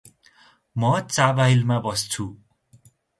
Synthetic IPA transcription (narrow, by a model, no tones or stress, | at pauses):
mʌt͡sabaɦilmabʌst͡sʰu